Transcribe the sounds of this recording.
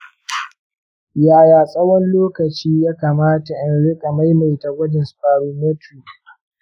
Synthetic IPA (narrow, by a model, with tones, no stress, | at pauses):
jaː˨jaː˨sʼɐ˦wɔ˦nloː˦kɐ˨t͡ʃiː˦jaː˦kaː˨maː˦ta˨ʔɪ˨nɽɪ˦kʼa˨ma˦jma˨jta˨ɡʷɐ˦d͡ʒɪ˨nsɸaː˨ɾu˨me˦tuː˨